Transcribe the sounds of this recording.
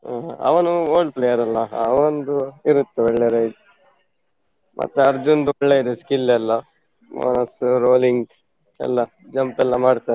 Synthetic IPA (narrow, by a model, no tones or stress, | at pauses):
aɐ̰ʋɐnuoːɭɖ̚plejɐɾɐlːɐʋɐnd̪uiɾut̪ːuʋeɭːeɾeid̪u | mʔɐ̰t̪ːuɐɾd͡ʒund̪uɛɭːeid̪eskilːɛlːɐ | ma̰ːnɐsɾoːliŋɡ | ɛ̰lːɐ | d͡ʒɐmpɛlːɐmaːɖt̪aːɾe